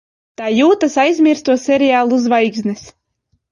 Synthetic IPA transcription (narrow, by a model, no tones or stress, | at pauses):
t̪aːjuːt̪asajzʲmʲiɾst̪uɔsʲɛɾiaːlˠuuzvajɡznɛs